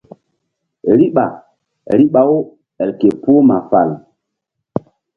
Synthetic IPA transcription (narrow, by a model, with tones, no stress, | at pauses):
ɾi˦ɓa̰˨ | ɾi˦ɓa˨˦wo˦ | ɛ˨lke˨pu˦o˦ma˨fa̰˨l